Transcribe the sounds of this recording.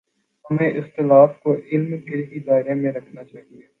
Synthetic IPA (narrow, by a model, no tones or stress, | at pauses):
ɦɐmẽʔɪst̪ɪlaːfkoʔɪlmkʰɪɾkid̪aːɪɾemẽɾɐkʰnat͡ʃaːɦieː